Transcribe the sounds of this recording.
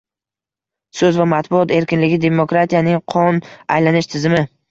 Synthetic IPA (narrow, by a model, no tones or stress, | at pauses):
sɵzvamat̪bʊɒt̪e̞ɾkʲɪnlɪɡʲɪd̪e̞mokɾat̪ʰijanɪŋqʰɒna̰jlanɪʃt̪ʰɪzɪmɪ